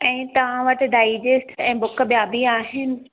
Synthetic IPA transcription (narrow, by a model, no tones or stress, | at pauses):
ɛ̃ːt̪ɐʋ̤ãʋɐʈɪ̆ɖaːɪd͡ʑesʈɛ̃ːbʊkəbjaːbiaːɦɪnɪ̆